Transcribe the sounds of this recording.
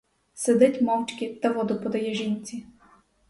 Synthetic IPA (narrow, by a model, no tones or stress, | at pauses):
sed̪ɛtʲmɔwt͡ʃkʲit̪ɐʋɔd̪ʊpɔd̪ɐjɛʒinʲt͡sʲi